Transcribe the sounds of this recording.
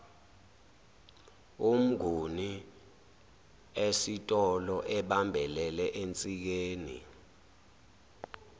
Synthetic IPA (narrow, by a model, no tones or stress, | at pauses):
um̩ɡʱuni | esitʼɔlɔʔɛɓambʱɛlɛlɛʔent͡sʼik̬eːnḭ